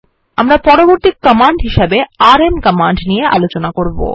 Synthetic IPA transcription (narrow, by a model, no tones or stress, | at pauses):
amɾapɔɾoboɾt̪ikːəmaɳɖɦiʃebeaɾemkəmaɳɖnijeʔa̰lot͡ɕonakoɾbo̰